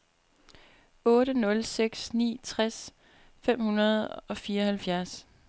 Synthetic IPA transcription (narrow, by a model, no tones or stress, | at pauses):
ɔ̽ːɾənɔ̽lseɡ̥snḭːt͡sʰʁas | fem̰hunɐð̞̩ˠɒ̽fiːɐɒhælfjæɐs